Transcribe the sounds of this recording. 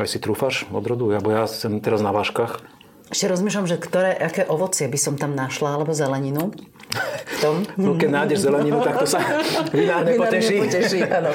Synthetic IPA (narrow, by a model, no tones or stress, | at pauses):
ajsit̪ɾufaʃɔ̰d̪ɾɔd̪uabɔjasɛmt̪ɛɾaznaʋaːʃkaːx | ɛʃcɛɾɔzmiːʃ̬lamʒɛkt̪ɔɾɛːʔakɛːʔɔʋɔt͡sɪɛbisɔmt̪amnaʃlaalɛbɔzɛlɛɲinu | ft̪ɔmnɔkɛnajɟɛʒzɛlɛɲinut̪ak̚t̪ɔsaʋinaːɾɲɛpɔɛʃiːɔcɛʃiːanɔ